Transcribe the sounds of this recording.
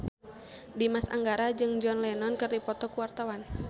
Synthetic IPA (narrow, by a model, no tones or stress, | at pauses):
dimasa̰ŋɡaɾad͡ʒɨŋd͡ʒɔnlɛnɔnkɨrdipɔt̪ɔkuwart̪awan